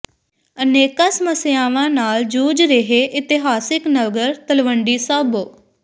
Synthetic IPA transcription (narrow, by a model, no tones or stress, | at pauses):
əneːkaːsəməsɪjaːʋãːnaːld͡ʒuːd͡ʒɾeɦeːʔɪt̪ɪɦaːsɪknəʋɡəɾt̪əlʋəɳɖiːsaːboː